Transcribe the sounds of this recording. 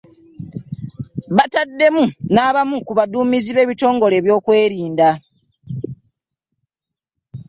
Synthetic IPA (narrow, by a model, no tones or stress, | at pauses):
βatadːe̞munaːβamukuβaduːmiziβe̞ːβito̞ːŋɡo̞le̞ːβjo̞ːkwe̞ːɾiːnda